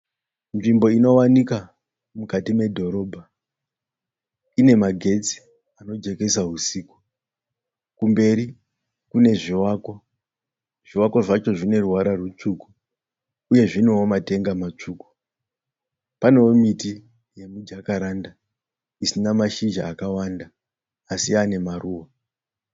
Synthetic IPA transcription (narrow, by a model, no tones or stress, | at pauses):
nʐimbo̞ino̞wanika | mukatime̞dʱo̞ɾo̞ːbʱa | ine̞maɡʱe̞t͡si̥ | ano̞d͡ʒe̞ke̞saɦusiːku | kumbe̞ɾi | kune̞ʐiwaːko | ʐ̥iwakwoʐat͡ʃo̞ʐine̞ruɦaɾarut͡ʂuku | uje̞ʐiniwomate̞ŋɡamat͡ʂuːku̥ | pane̞womiti | je̞mud͡ʒakaɾanda | isinamaʃid͡ʒa̰ːkawandaː | siane̞maruːwa